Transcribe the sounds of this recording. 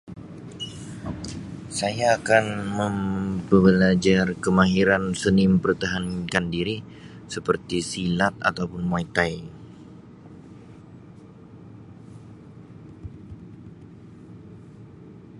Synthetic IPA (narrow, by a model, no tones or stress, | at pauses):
sajaːkanməmbəbəlad͡ʒarkəmaɦiɾansənɪməpərt̪aɦankandiɾi | səpərt̪isilat̪̚a̰t̪awpʊnmait̪aj